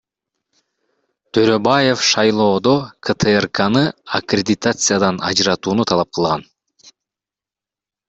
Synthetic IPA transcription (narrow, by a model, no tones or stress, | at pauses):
t̪ʰøɾø̞baje̞fʃɑjlˠo̞ːd̪okʰət̪ʰɨerkanɯakɾʲedʲɪt̪at̪sɨjad̪ɑnɑ̰d͡ʒɾɑt̪uːnut̪ʰɑlˠɑp̚qʰɯlˠʁɑn